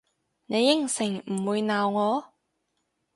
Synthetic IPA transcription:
ne˨˧jːɪ˥ŋsɪ˨˩ŋm̩˨˩wuː˨˧jnaː˨wŋɔː˨˧

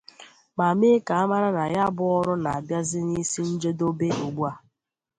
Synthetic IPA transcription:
ma˨me˦ka˨a˦ma˦ɾa˦na˨ja˦bʊ˦ɔ˦ɾʊ˦na˨a˨bja˦zɪ˦ni˦si˦n̩˦d͡ʒe˦do˦be˦o˨ɡ͡bu˦a˨

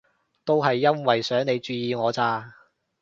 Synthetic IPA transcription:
t̪o˥wɦɐ˨jːɐ˥nwɐ˨jsœː˨˥ŋne˨˧jt͡ʃyː˧jiː˨˧ŋɔː˨˧t͡saː˧

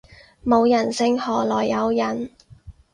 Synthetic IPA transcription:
mo˨˧wjɐ˨˩nsɪ˥ŋhɔː˨˩lɔː˨˩jːɐ˨˧wjɐ˨˩n

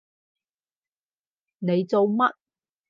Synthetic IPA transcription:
ne˨˧jt͡so˨˧wmɐ˥t̚

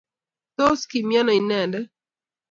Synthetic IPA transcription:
to˦ski˨mjɛ˦nɔ˨i˨nɛ˨ndɛ˦

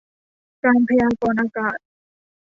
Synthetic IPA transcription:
kaː˧npʰa˧jaː˧kɔː˧nʔaː˧kaː˨˩t̪̚

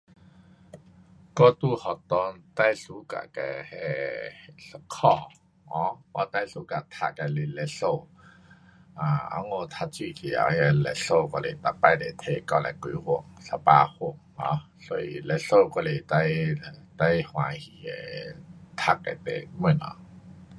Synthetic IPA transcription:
kɔ˧t̪u˧˨hɔ˨˩t̪ɔ˧nt̪a˥˧˨jsu˧˦ka̰˧˨kɛ̰˧˩hɛ˧ | sə˧˦kʰɔ˧˩ | ɔ˧˦pɔ˧˦t̪a˦˥˨jsu˨˦ka˨t̪ʰa˧˨ka˧˩le˧˨lɛ˧so˧˨ | ʔã˨a̰˧˦ŋo˧˨t̪ʰa˧t͡ɕʰi˧˨t̪ʰi˨a̰˨˧˨ɛ˧˩lɛ˧˨ɬo˧kɔ˧le˨t̪a˧˩pa˧˨jd̪e˨t̪ʰe˧˨kɔ˧˨lɛ̰˨ku˧˦hu˧˩˨əŋsa˧pa˧hu˧˩əŋhɔ̰̃˧˦ | sɔ˧˨ḭ˧˨lɛ˧so˧˨kɔ˧le˨t̪a˧˨jt̪a˥˧˨jhwã˨hi˧˨hɛ̰˧˩t̪ʰa˧˥kːa̰˨t̪ḛ˨mu˧˨nɔ̰˧˦

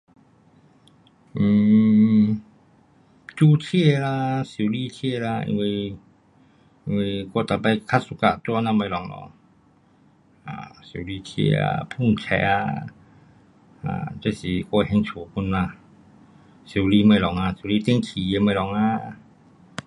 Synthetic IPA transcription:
m̩ː˨˩ | t͡ɕu˧t͡ɕʰe˥˧˨la˧su˨˦li˧t͡ɕʰe˥˧˨la˧ḭ˧nwi˧ | i˧wi˧ko˧t̪a˨˩ba˧jkʰa˦su˧ka˧˨t̪wnã˧ma˧˩˦lɔ˨˩ŋlɔ̰˧˨˦ŋ | a̰˨su˨˩˦li˧t͡ɕʰḛ˥˧˨a̰˧˩pʰu˥˧˩ŋt͡ɕʰɛ̰˨˧˩a˧ | a̰˨t͡ɕe˧˦˨si˨˩ko˧hɛ˧ŋt͡ɕʰu˨˦pu˧nːa˧ | su˨˦li˧˦ma˧˨lɔ˨˦ŋa˧su˨˦˧li˧t̪i˧˦ŋkʰi˨˦e˧˦ma˧˩lɔ˨˦ŋa˧

